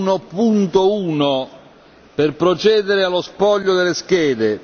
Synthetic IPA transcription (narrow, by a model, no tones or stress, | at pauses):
nopunt̪ouːno | perpɾot͡ʃɛːd̪eɾɪalːospɔʎːod̪elːeskɛːd̪e